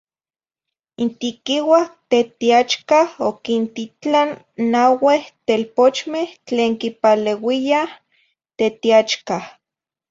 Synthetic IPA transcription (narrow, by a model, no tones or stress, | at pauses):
int̪ikiwaht̪et̪iat͡ʃkahokint̪it͡ɬanː | aweht̪elpot͡ʃmeht͡ɬeːŋkipalewiah | t̪et̪iat͡ʃkah